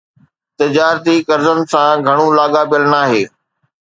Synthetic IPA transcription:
t̪ɪd͡ʑaːɾt̪ikɐɾzənɪ̆sãɡʱɐɽ̃ũlaːɠabijəlnaːɦeː

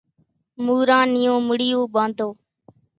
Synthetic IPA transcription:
muːɾãːnɪjõːmʊɽijõːɓãːnd̪oː

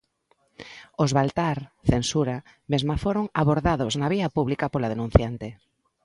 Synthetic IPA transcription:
ozβalt̪aɾθensuɾa | mezmafoɾoŋaβoɾðaðoznaβ̞iɐpuβlikɐpolað̞enũn̟θjant̪ɪ

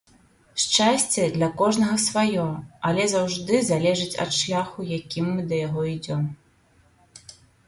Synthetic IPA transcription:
ʂt͡ʂasʲt͡sʲɛd̪lʲɐkɔʐnɐɣɐsvajɔɐlʲɛzawʐd̪ɨzalʲɛʐɨt͡sʲɐ̰t̪ʂlʲaxujakʲimːɨd̪ɐjaɣɔid͡zʲɔm

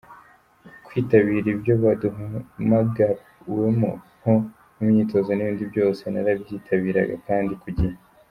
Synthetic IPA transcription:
kwiːtaβiɾibjo̞βaduɦamaɡaɾ | wemṵ | ho | mumɲiːto̞zoniβiːndibjo̞ːse̞naɾabjiːtʰaβiːɾa̰ɡa̰kaːndikuɟiha

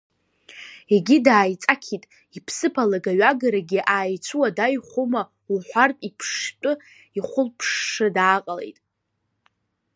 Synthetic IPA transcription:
eɡʲidaːjt͡sʼakʲʰitʼ | ipʰsɨpʰalaɡaɥaɡaɾaɡʲiʔaːjt͡sʷʰuwadajχʷʊma | wħʷarpʼipʰʂtʷʼʊ | iχʷʊlpʰʂːɨdaːqʼale̞̰jtʼ

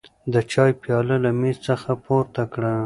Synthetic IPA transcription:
d̪ət͡ʃɑjpjɑləlamezt͡səxapoɾt̪akɽa

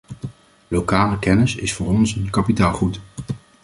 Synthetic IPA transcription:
lowkaːləkɛnəsɪsfʊːɾɔnsənkɑpitaːlˠχut

